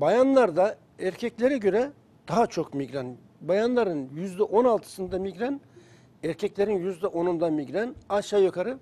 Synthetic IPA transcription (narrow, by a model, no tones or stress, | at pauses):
bajanlˠaɾd̪a | æɾcʰɛclʲeɾɛɟø̞ɾɛ | d̪̥aɦat͡ʃʰo̞kmiɡɾan | bajanlˠaɾɯnjyzd̪ɛʔo̞nalˠt̪ʰɯ̥sɯnd̪amiɡɾan | æɾcʰɛclʲeɾinjyzd̪ɛʔo̞nund̪amiɡɾænaʃajokʰaɾɯ